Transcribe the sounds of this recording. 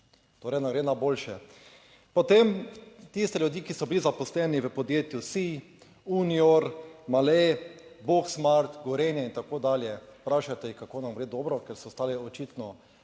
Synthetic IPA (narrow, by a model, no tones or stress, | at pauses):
t̪oːɾɛnaɡɾeːnaboːlʃɛ | pɔt̪emt̪ist̪ɛljud̪jikisɔbilizapɔslɛniʋəpɔd̪jeːt̪jusi | unioɾmalɛboksmaɾt̪ɡɔɾɛnjɛint̪akoːd̪aːljɛpɾaːʃat̪ɛjikakoːnamɡɾeːd̪ɔːbɾɔkɛɾsɔst̪aːlɛɔt͡ʃit̪nɔ